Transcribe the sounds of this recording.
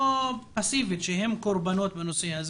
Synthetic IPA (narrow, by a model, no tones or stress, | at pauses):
opasivit̪ʃeɦemkoɾbano̞t̪benosehaz